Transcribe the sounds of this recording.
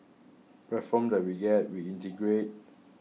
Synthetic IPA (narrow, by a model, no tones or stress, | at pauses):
pɹɛtfɔ̃mdɛt̚wiɡɛt̚wiĩntəɡɹet̚